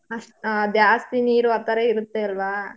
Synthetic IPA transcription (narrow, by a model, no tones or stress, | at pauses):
ɐsad̪jaːst̪iniːɾuɐt̪ːɐɾeiɾut̪ːeɐlʋaː